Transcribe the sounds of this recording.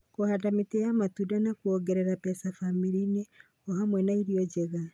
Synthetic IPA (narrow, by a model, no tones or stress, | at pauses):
kohadameteamatudanakuɔɡɛɾɛɾapɛsafamiɾine | ɔhamwɛnaiɾiɔd͡ʑɛɣa